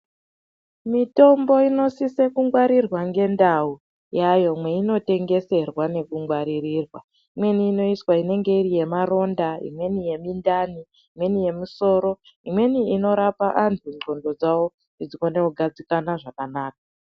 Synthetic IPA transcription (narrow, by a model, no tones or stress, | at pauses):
mito̞mbo̞ino̞sisekuŋɡwaɾirwaŋɡe̞ndau | jajo̞mwe̞ino̞te̞ŋɡe̞se̞rwane̞kuŋɡwaɾirirwa | imwe̞niːno̞iswaine̞ŋɡe̞iɾije̞maɾo̞ndaḭmwe̞nije̞mindani | imwe̞nije̞muso̞ːɾo̞ | imwe̞niːno̞ɾapaʔanziŋo̞ndo̞d͡zawo | id͡zikoneuɡʱad͡zikanaʐakanaːk̚a